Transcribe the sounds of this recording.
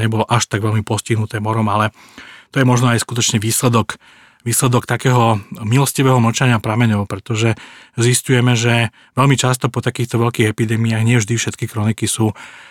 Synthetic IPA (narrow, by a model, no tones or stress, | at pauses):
ɲɛbɔlɔʔaʃt̪aɡʋɛlmipɔsciɦnut̪ɛːmɔɾɔmalɛ | t̪ɔjɛmɔʒnɔajskut̪ɔt͡ʃɲɛʋiːslɛd̪ɔk | ʋiːslɛd̪ɔkt̪akɛːɦɔmilɔsciʋɛːɦɔm̩t͡ʃaɲɪapɾamɛɲɔʊpɾɛt̪ɔʒɛziscujɛmɛʒɛ | ʋɛlmit͡ʃast̪ɔpɔt̪akiːxt̪ɔʋɛʎkiːɣɛpid̪ɛːmiaːɣɲɪɛvʒd̪ifʃɛt̪kikɾɔnikisuː